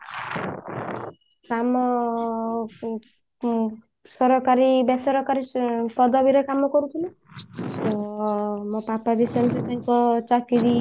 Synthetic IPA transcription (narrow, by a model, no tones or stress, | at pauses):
kamɔ | sɔɾɔkaɾibesɔɾɔkaɾipɔd̪ɔbiɾɔkamɔkɔɾut̪ʰilu | t̪ɔ | mɔpapabisɔmset̪aĩkɔt͡ʃakiɾi